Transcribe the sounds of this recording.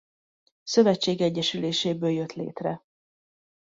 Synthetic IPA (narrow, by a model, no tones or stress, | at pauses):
sø̞vɛt͡ʃːeːɡɛɟːɛʃyleːʃeːbøːljø̞t̪lḛːt̪rɛ